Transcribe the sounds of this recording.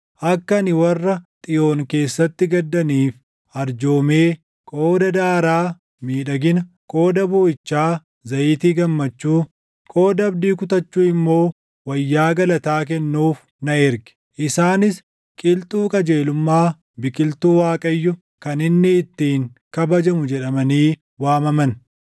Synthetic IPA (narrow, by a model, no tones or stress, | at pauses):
ʔɐkːɐnɪwɐrːɐt̪ʼɪjoːŋke̞ːsːɐt̪ːɪɡɐd̪ːɐniːf | ɐɾd͡ʒo̞ːme̞ː | kʼo̞ːd̪ɐd̪aːɾaː | miːᶑɐɡɪnɐ | kʼo̞ːd̪ɐbʊːɪt͡ʃːaː | zɐʔiːt̪iːɡɐmːɐt͡ʃːuː | kʼo̞ːd̪ɐɐbd̪iːkʊt̪ɐt͡ʃːuːɪmːo̞ː | wɐjːaːɡɐlɐt̪aːk̬ɛnːuːf | nɐɪɾɡɪ̥ | ʔɪsaːnɪs | kʼɪlt̪ʼuːkʼɐd͡ʒe̞ːlʊmːaː | bɪkʼɪlt̪uːwaːkʼɐjːʊ | kɐnɪnːɪːt̪ːiːŋkɐbɐd͡ʒɐmʊd͡ʒɛᶑɐmɐniː | waːmɐmɐn